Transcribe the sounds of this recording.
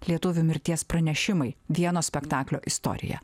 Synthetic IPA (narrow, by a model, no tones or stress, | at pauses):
lʲiɛt̪ʊʋʲumʲɪɾʲt̪ʲiɛspɾɐnʲɛʃʲɪmɐɪʋʲiɛnoːsʲpʲɛkt̪ɑːklʲoːʔɪst̪ɔ̰ɾʲɪ̰jɛ̰